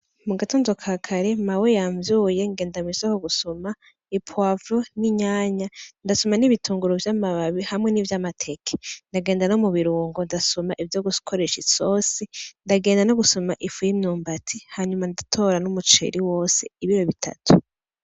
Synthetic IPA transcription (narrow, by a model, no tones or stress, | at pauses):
muɡatuːnzokʰaːkʰaɾe̞mawejaːɱvjuːje̞ŋɡeːndamisokoɡusoma | ipʰwavɾoniɲaːɲandasomaniβituːŋɡuɾovjamaβaβihamŋe̞nivjamatʰe̞kʰe̥ndaɡe̞ːndanomuβiɾuːŋɡondasomaʔivjoɡukʰoɾe̞ʃiso̞ːsindaɡe̞ːndano̞ɡusomaʔifujimɲuːmbatʰihaɲumandatʰo̞ɾanumut͡ʃḛɾiwo̞ːse̞̰iβiɾoβitʰa̰tʰu̥